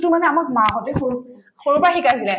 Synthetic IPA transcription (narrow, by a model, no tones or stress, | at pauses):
tʊmanɛamak̚maɦɔtɛxu | xoɹupaxikajsilɛ